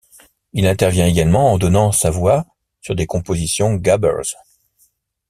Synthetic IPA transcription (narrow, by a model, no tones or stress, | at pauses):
ilɛ̃t̪ɛʁvjɛ̃eɡalmɑ̃ːd̪ɔnɑ̃savwa | syʁd̪ekɔ̃pozisjɔ̃ɡabɛ̰ʁz